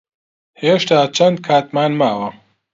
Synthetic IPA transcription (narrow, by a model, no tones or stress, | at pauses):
heːʃt̪aːt͡ʃʰɐnd̪̚kʰaːt̪maːnmaːwɐ